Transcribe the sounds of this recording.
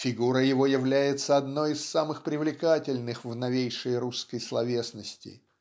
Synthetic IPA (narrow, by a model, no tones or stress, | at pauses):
fʲɪɡuɾəjɪvo̞jɪvlʲæjɪt̪səɐd̪no̞jɪsːamɨxpɾʲɪvlʲɪkatʲɪlʲnɨxvnɐvʲejʂəjɾuskəjslˠɐvʲe̞snəsʲtʲɪ̰